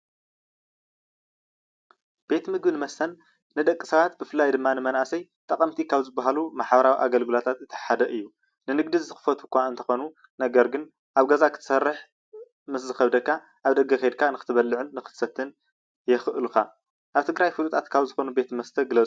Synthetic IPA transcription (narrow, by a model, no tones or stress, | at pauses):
b̥e̞t̪mɨɡbɨnɨmɐst̪ʰɐnː | ɨd̪ɐkʼːisɐβat̪̚bɨfɨlːajd̪ɨmːanɨmɐnʔasɐjt̪ʼɐkʼɐmt̪ʰikʰaβzɨbːaɦalumaħbɐɾawiʔaɡɐlɡɨlot̪ʰat̪ɨt̪ʰːɐ̥ħad̪ɐʔɨjːu | nɨnɨɡ̚d̪izɨxɨ̥fɐt̪ʰukʰʷːaɨnt̪ʰɐxo̞nu | nɐɡɐɾɡɨn | ʔaβɡazakʰɨt̪ʰsɐrːɨħ | mɨs̬zɨxɐβd̪ɐkːa | ʔaβd̪ɐɡɐxed̪̚kʰanɨxɨt̪ʰɨβɐlːɨʕɨnːɨxɨ̥t̪ʰsɐt̪ʰːɨn | jɛxɨʔɨlukʰa | ʔaβt̪ʰɨɡɾajfɨlut̪ʼʰat̪kʰaβzɨxo̞nube̞t̪mɐst̪ʰɐɡɨlɐt͡sʼu